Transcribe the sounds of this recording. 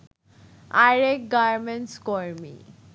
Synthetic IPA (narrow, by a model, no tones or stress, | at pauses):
aɾekɡaɾmenʈskɔɾmḭ